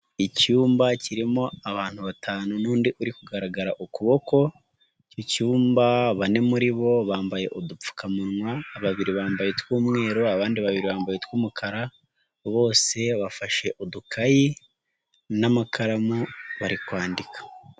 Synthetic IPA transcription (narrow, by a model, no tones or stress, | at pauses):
icuːmbaciɾimo̞aβaːn̥huβatʰaːnunuːndiʔuɾikuɡaɾaɡaɾaʔukuβo̞ko̞ | cocuːmbaβane̞muɾiβo̞βaːmbaje̞̰ʔodup͡fu̥kamunŋwaːβaβiɾiβaːmbaje̞twuːmŋe̞ːɾo̞aβaːndiβaβiɾiβaːmbajetwuːmukʰaɾa | βo̞ːse̞βafaʃe̞ʔodukʰaji | namakʰaɾamuβaɾikwaːndikḁ